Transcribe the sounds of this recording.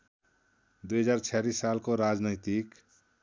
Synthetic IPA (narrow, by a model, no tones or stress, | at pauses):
d̪ujɦʌd͡zart͡ʃʰalisːalkoɾad͡znʌjt̪ik